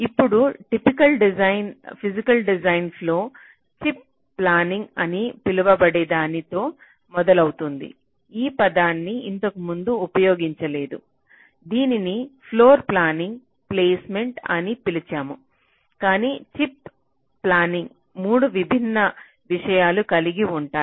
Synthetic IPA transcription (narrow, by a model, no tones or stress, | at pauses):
ipːuɽuʈipikɐlɖizɐjnpʰizikɐlɖizɐjnpʰlo̞ː | t͡ʃip̚ː | laːniŋɡɐnipiluʋɐbɐɽɛd̪aːnit̪o̞ː | mɔd̪ɐlɐwut̪und̪ḭ | iːpɐd̪aːnːiint̪ɐkumund̪uːpɐjo̞ːɡiɲt͡ʃɐle̞ːd̪u | d̪iːninipʰlo̞ːɾplaːniŋɡ | ple̞ːsme̞ɳʈɐnipilit͡ʃaːmu | kaːniːt͡ʃipː | laːniŋɡ | muːɽuʋibʱinːɐ | ʋiʂɐjaːlukɐliɡiuɳʈaː